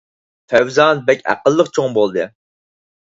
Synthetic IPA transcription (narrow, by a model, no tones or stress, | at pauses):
fʰɛwzɑnbɛkʲæ̰qəlˠːəqt͡ʃʰoŋbolˠd̪ɨ